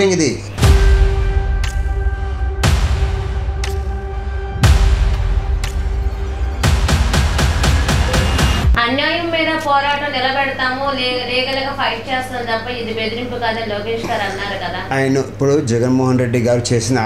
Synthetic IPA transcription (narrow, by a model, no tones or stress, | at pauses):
iŋɡid̪i | ɐnjaːjɐmːiːd̪ɐpɔːɾaːʈɐmnilɐbɛɽɐt̪aːmulːlɛːɡɐlɐɡɐpʰɐjʈ̚t͡ʃeːst̪ɐnd̪ɐpːɐid̪ibed̪iɾimpukaːd̪ɐloːkeːʂɡaːɾɐnːaːɾukɐd̪aːaːjɐnɐipːuɽud͡ʒɛɡɐnmɔːɦɐnɾe̞ɖːiɡaːɾit͡ʃeːsind̪